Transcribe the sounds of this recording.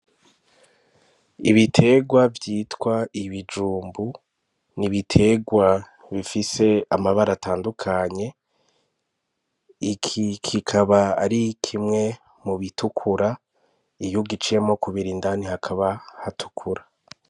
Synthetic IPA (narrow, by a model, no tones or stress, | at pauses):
ḭβitʰe̞ɡwavjiːtwaiβid͡ʒuːmbu | niβitʰe̞ɡwa | βifise̞amaβaɾataːndukʰaɲe̞ | ikʰikʰikʰaβaːɾikʰimŋe̞ | muβitʰukʰuɾa | ijuɡit͡ʃije̞mo̞kuβiɾindanihakʰaβahatʰu̥kʰuɾa